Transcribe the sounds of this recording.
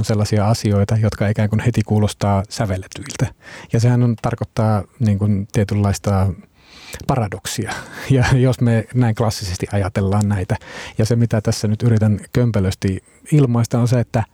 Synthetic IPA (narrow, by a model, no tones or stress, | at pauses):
nselːɑsiɑɑsioit̪ɑjot̪kɑikæːŋkunhet̪ikuːlost̪ɑːsæʋelːet̪yilt̪æjɑsehænont̪ɑrkot̪ːɑːniːŋkunt̪iet̪ylːɑist̪ɑ | pɑrɑdoksiɑjɑjosmenæiŋklɑsːisest̪iʔɑjɑt̪elːɑːnnæit̪æjɑsemit̪æt̪æsːænyt̪yrit̪ænkømpæløst̪i | ilmoist̪ɑonseet̪ːæ